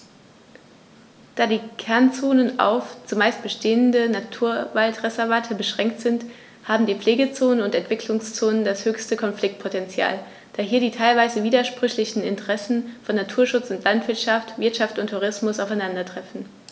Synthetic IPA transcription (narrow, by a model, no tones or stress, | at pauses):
d̥aːdiːkʰɛɐnt͡soːnəna̰ʊft͡sumaɪst̚b̥əʃteːəndənatʰuːɐvaltʁɛzɛɐvaːtʰəbəʃʁ̥ɛŋktz̥ɪnt | haːbm̩diːpp͡fleːɡət͡soːnənʊntɛntv̥ɪkʰlʊŋst͡soːnəndashøːçstəkʰɔnflɪk̚t̚pʰotɛnt͡sja̰ːl | d̥aːɦiːɐdiːtʰaɪlvaɪzəviːdɐʃpʁ̥ʏçlɪçn̩ɪ̰ntəʁɛsn̩fɔnːatʰuːɐʃʊt͡sʊntlantv̥ɪɐtʃaftv̥ɪɐtʃaftʊntʰːuʁ̞ɪsmʊsaʊfaɪnandɐtʁ̥ɛfn̩